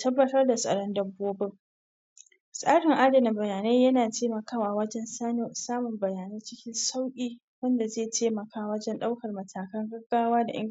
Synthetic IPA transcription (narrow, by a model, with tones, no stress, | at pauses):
tɐ˦bːɐ˦tɐ˦rda˨sʼɐ̰˨ɽɔ˦ndɐ˨bːoː˦bɪ˦ŋ | sʼaː˦ɽɪ˨ŋʔa˦dɐ˨nɪ˨bɐ˨jaː˨neː˦jɐ˦naː˨teː˦mɐ˨kaː˦waː˨wɐ˦d͡ʒɛ˦nsaː˦noː˨saː˦mʊ˨mbɐ˨jaː˨neː˦t͡ʃɪ˦kʲɪ˦nsa˦wkʲʼiː˦ | wɐ˦nda˨zeː˦˨tʰeː˦mɐ˨kʰaː˦wɐ˦d͡ʒɛ˦nɗa˦wkɐ˨rmɐ˨tʰaː˨kɐ˦ŋɡɐ˦ɡːaː˦waː˦da˨ʔɪ˦